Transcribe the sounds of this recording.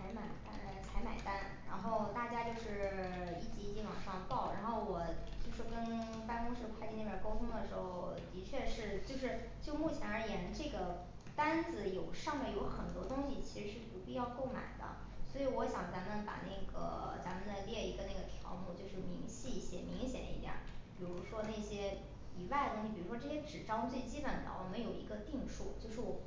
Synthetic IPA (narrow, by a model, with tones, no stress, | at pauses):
a˧˥ɪma˨˩ɪt̪a˥˧˩t͡sʰa˧˥ɪma̰˨˩ɪt̪a˥˩nɻa˧˥nxo˥˧ʊt̪a˥˩t͡ɕja˥t͡ɕjo˥˧ʊʂɻ̩˥˩i˥˩t͡ɕi˧˥˧t͡ɕi˥˩wɑ˨˩ŋʂɑ˥˧ŋpɑ˥˩ʊɻa˧˥nxo˥˩ʊwɔ˨˩t͡ɕo˥˩˧ʂ̩˥˩kə˥n | pa˥nkʊ˥ŋʂɻ̩˥˧kʰwa˥˧ɪt͡ɕi˥˧n˥˩jə˞˨˩ko˥ʊt̪ʰʊ˥ŋd̪ə˨ʂɻ̩˧˥xo˥˧ʊt̪i˧˥t͡ɕʰɥɛ˥˧ʂɻ̩˥˧t͡ɕjo˥˧ʊʂ̬ɻ̩˥˧ | t͡ɕjo˥˧ʊmu˥˩t͡ɕʰjɛ˧˥nə˞˧˥jɛ˧˥n˧ʈ͡ʂɤ˥˩ɡə˩ | t̪a˥nd͡zɹ̩˧˩jo˨˩ʊʂɑ˥˧ŋmɛ˥˩jo˧˥ʊxə˨˩nt̪wɔ˥t̪ʊ˥ŋɕi˨t͡ɕʰi˧˥ʂɻ̩˧˥ʂɻ̩˥˩p̪u˧˥pi˥˧jɑ˥˧ʊko˥˧ʊma̰˨˩ɪd̪ə̰˦ | swɔ˧˥i˧˥wɔ˧˥ɕjɑ˨˩ŋt͡sa˧˥mənə˧˥npa̰˨˩na˥˩ɪɡə̰˩t͡sa˧˥mə˧nə˧ljɛ˥˩i˧˥ɡə˧na˥˩ɡə˩t̪ʰjɑ̰˧˥ʊmu˥˧t͡ɕjo˥˧ʊʂɻ̩˥˩mi˧˥ŋɕi˥˩ɕjɛ̰˨˩nmi˧˥ŋɕjɛ̰˨˩ḭ˧˥t̪jɑ̰˨˩˦pi˨˩ɻu˧˥ʂwɔ˥ne˥˩ɕjɛ˥ | i˨˩wa˥˩ɪd̪ə˩ʊ˥ŋɕi˨˩pi˨˩ɻu˧˥ʂwɔ˥ʈ͡ʂɤ˥˩ɕjɛ˥ʈ͡ʂɻ̩˨˩ʈ͡ʂɑ˥ʊt͡st͡ɕi˥pə˨˩nd̪ə̰˦wʔɔ̰˨˩mə˦njo˨˩ʊḭ˧˥ɡə˧t̪i˥˧ŋʂu˥˩t͡ɕjo˥˧ʊʂɻ